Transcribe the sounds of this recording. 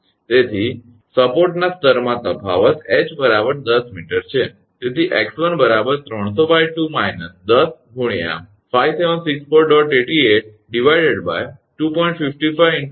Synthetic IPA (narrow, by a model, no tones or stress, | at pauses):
t̪et̪ʰi | səpoɾʈnast̪əɾmãt̪əbʱa̰ʋət̪et͡ʃbəɾabəɾd̪əsmiʈəɾt͡ʃʰe | t̪et̪ʰiʔeksʋənbəɾabəɾt̪ɾəɳ̃sofajʋʈumajnəsd̪əsɡʱuɽ̃ija̰ | fajʋseʋənsikspəɾɖɔʈeʈieʈ̚ | ɖiʋajɖeɖba̰jʈupɔĩɳʈfifʈifaj